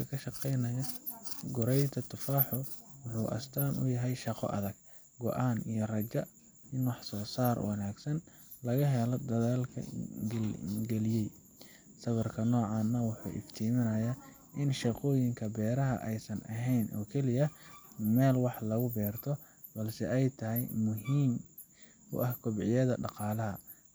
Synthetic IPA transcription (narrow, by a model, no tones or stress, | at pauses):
ɐkʰɐʃɐqɛjnɐjɐɡʊɾɛjt̪ʰɐt̪ʰʊfaːħɔwʊħuːʔɐ̰st̪ʰaːnʔʊ̰jɐɦɛjʃɑqɔ̰ʔɐ̰ðɐɡ̥̚ | ɡɔ̰ʔaːnijɞrɐt͡ʃɐ | ɪnwɑħsɔːsaːrwɑ̰naːɡsɐn | lɐɣɐɦɛlɔd̪ɐðaːlkʰɐ̰ | ɡɛlɪjɛj | sɐβɐrkʰɐnɔːʕɑːnːɐwʊħṵːʔɪ̰ft̪ʰiːmɪnɐjɐ | ʔɪnʃɑqɔːjɪŋkʰɐbɛːɾɐɦɐ̰ʔɛjsɐnʔɐ̰ɦɛjnʔɔ̰ːkʰɛlɪjɐmɛːlwɑħlɐɣʊbɛːrt̪ʰɔ | bɐlsɛɛjt̪ʰɐɦɛjmʊɦiːm | ʊ̰ʔɐhkʰʊbʕɪjɐðɐɖɑqɑːlɐɦɐ